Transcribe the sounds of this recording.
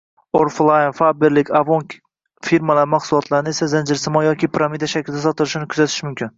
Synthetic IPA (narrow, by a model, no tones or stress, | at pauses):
oɾflˠajnfabeɾlɪkʲavoŋkʲ | fiɾmalaɾɪmaqsʊlˠɒt̪ʰlˠaɾɪnɪe̞sazand͡ʒɪɾsɪmɒjɒkʲʰɪpʰɾamid̪aʃakʲlɪd̪asɒt̪ɪlɪʃɪnɪkʰʊzat̪ʰɪ̥ʃmʊmkʲʰɪn